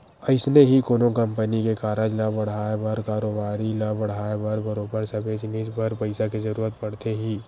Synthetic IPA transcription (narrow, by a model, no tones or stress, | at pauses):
əɪsneɦikoːnokɐ̃mpənikekaːɾəd͡ʒlɐbɐɽ̤aːebəɾkaːɾoːbaːɾilɐbɐɽ̤aːebɐɾbɐɾoːbəɾsɐbed͡ʒnid͡ʒbəɾpɐɪsakezɐɾuːɾət̪̚pɐɽ̤t̪eɦiː